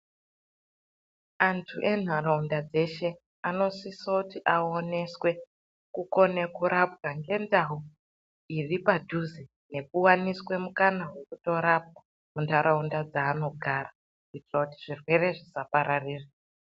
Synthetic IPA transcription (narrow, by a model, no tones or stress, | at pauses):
antʰuʔe̞n̤araundad͡ze̞ʃe̞ | ano̞sisoutiʔao̞ne̞swe̞ | kuko̞ne̞kuɾapɡaŋɡe̞ndaɦu | iripadʱuzi | ne̞kuwaniswe̞mukanawe̞kuto̞ɾap̚a | mundʰʱaɾaundad͡zaːno̞ɡʱara | itirautiʐirwe̞re̞ʐisapaɾariːre